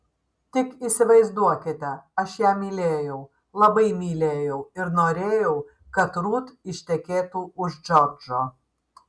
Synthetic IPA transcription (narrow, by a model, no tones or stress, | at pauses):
t̪ʲɪkiːsʲɪʋɐɪzd̪uɔkʲɪt̪ʲɛɐʃjæːmʲiːlʲeːjɛʊ | lˠɐbɐɪmʲiːlʲeːjɛʊɪɾnoːɾʲeːjɛʊ | kɐt̪ɾuːt̪ɪʃʲt̪ʲɛkʲeːt̪uːʊʒd͡ʒɔɾd͡ʒoː